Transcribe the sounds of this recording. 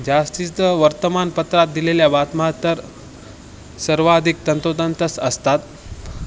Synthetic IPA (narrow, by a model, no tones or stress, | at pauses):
d͡ʑast̪ist̪əʋəɾt̪əmanpət̪ɾat̪̚d̪ileljabat̪məɦat̪ːəɾ | səɾʋad̪ʱik̚t̪ənt̪ot̪ənt̪əsəst̪at̪